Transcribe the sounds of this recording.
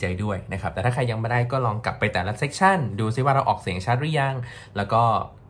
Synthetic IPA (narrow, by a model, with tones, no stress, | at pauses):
t͡ɕa˧jdu˥˩əjna˦˥kʰa˦˥p̚t̪ɛː˨˩aː˥˩kʰa˧jːa˧ŋma˥˩daː˥˩jkɔː˥˩lɔː˧ŋkla˨˩pːa˧jt̪ɛː˨˩la˦˥se˦˥k̚t͡ɕʰa˥˩nduː˧s̬i˧˥˩waː˥˩ɾa˧wʔɔː˨˩k̚siː˨˩˦ə˦ŋt͡ɕʰaː˥˩ɾja˧ŋlɛː˦˥wkɔː˥˩